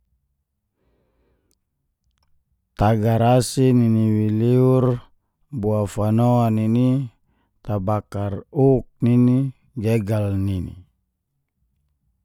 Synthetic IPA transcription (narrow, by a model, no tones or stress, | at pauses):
t̪aɡaɾasininiwiliur | buafanoanini | t̪abakaruk̚nini | ɡeɡalninḭ